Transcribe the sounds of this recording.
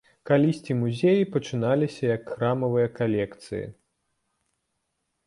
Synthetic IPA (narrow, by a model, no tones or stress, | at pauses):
kalʲisʲt͡sʲimuzʲejipɐt͡ʂɨn̪alʲisʲɐjɐkxɾamɐvɨjɐkalʲɛkt̪sɨjɐ̰